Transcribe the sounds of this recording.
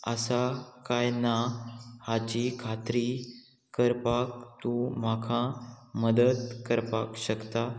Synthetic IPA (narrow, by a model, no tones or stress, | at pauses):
ə̰sakajnahat͡ɕikʰat̪ɾi | kəɾpak̚t̪ũm̤akʰãməd̪əd̪kəɾpakɕəkt̪a